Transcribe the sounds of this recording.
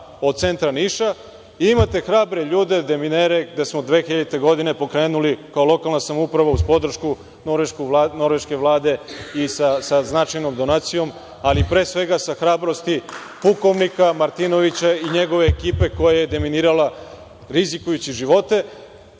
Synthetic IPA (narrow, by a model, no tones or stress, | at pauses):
od̪̚t̪se̞nt̪ɾaniːʃa | imat̪e̞xɾaːbɾe̞ʎuːd̪e̞d̪e̞mineɾe̞ɡd̪e̞smo̞d̪ʋe̞xiʎt̪e̞ɡo̞d̪ine̞po̞kɾe̞ːnulikaolˠo̞kalˠnasamoupɾaʋauzpo̞d̪r̩ʃku | noɾʋeʃkuno̞ɾʋe̞ʃke̞ʋlˠaːd̪e̞isasaznat͡ʃajno̞md̪o̞naːt̪sijo̞m | alipɾe̞ːsʋe̞ɡasaxɾaːbɾo̞st̪i | puko̞ʋnikamaɾt̪ino̞ʋit͡ɕaiɲe̞ɡo̞ʋe̞ːkiːpe̞ko̞jaje̞d̪e̞miniːɾala | ɾizikujut͡ɕiʒiʋo̞t̪e̞